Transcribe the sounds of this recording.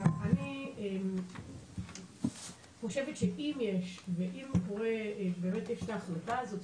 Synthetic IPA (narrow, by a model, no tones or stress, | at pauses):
aaniem | χo̞ʃevet̪ʃeʔimjeʃveʔimkoʁebeːmet̪jeʃtaːχlatazot